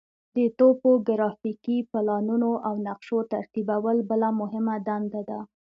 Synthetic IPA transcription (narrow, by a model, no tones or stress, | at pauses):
d̪ət̪opoɡɾɑfikipɪlɑnunoʔawnaqʃot̪aɾt̪ibawəlbəlamʊɦɪmad̪and̪ad̪a